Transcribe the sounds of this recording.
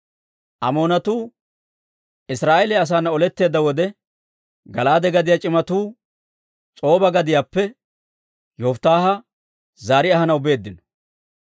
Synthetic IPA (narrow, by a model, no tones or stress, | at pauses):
ʔɐmo̞ːnɐt̪uː | ɪsɾaːʔelɛɐs̬aːnːɐɔlɛt̪ːe̞ːd̪ːɐwɔd̪ɛ | ɡɐlaːd̪ɛɡɐd̪ɪjat͡ʃʼɪmɐt̪uː | t͡sʼo̞ːbɐɡɐd̪ɪjaːpːɛ | jɔft̪ːaːɦɐ | zaːɾɪɐhɐnɐwbe̞ːd̪ːɪnɔ̥